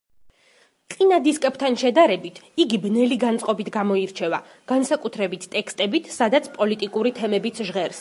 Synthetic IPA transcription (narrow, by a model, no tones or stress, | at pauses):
qʼinad̪iskʼɛp̚t̪ʰanʃɛd̪aɾɛbit̪ʰiɡibnɛliɡant̪sʼqʼɔbit̪ʰɡamɔiɾt͡ʃʰɛva | ɡ̥ansakʼut̪ʰɾɛbit̪ʰt̪ʼːɛkst̪ʼɛbit̪ʰsad̪at̪sʰpʼɔlit̪ʼikʼuɾit̪ʰɛmɛbit̪sʰʒʁɛɾs